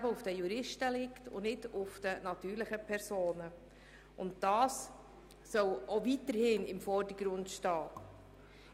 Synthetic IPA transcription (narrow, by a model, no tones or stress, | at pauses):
bəʊfd̥əjuɾɪʃtəlɪktʰʊ̰nɪdʊfd̥ənɑt̪yːɾləχəpʰɛɾsoːnə | ʔʊnt̚d̥ɑːs | sœwovitəɾhɪnɪmfɔrdəɡ̥ɾʊndʃtɑː